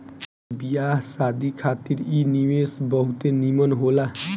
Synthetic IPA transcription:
bijasad̪ikʰat̪iɾiniwesbʌɦut̪enimənɦola

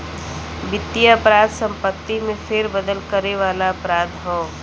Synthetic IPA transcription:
bɪt̪ːijaɐpɾaːd̪sə̃mpət̪ːimẽfʰɪɾbəd̪əlkəɾeʋaːlaɐpɾaːd̪ɦɔː

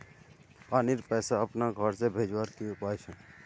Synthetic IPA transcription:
aːniɾpɛːsaəpnaɡʱəɾsebʱeːd͡ʒwaːɾkijõpaːjsʰɛ̃ː

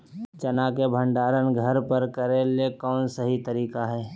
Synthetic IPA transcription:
t͡ʃɐnaːkebʱə̃ɳɖaːɾənɡʱɐɾpəɾkɐɾeːlekɔːnsɐɦit̪əɾiːkaɦɛː

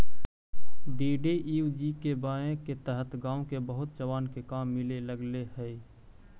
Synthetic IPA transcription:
ɖiːɖeiːd͡ʒiːkebaːjẽket̪əɦət̪ɡãːõkebəɦʊt̪̚d͡ʒəʋaːnkekaːmːɪleləɡleɦɛː

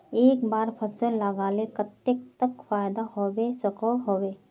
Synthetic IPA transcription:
eːkbaːɾpʰəsəlɐɡaːlekɐt̪ːek̚t̪əkfaːjd̪aɦowesəkoɦoːweː

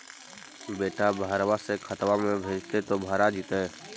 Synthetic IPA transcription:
beːʈabʱaːɾʋasekʰət̪ʋamẽbʱeːd͡ʒt̪et̪obʱaːɾad͡ʒit̪e

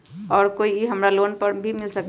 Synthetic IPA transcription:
ɔːɾkoːieɦɐmɾaloːnpɐɾbʱimɪlsɐk

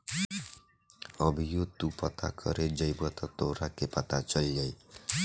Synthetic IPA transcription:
ʌbʱijot̪upɔt̪ʰa̰kʰɔɾed͡ʒʌjbɔt̪at̪oɾakepat̪at͡ʃʌlid͡ʒaj

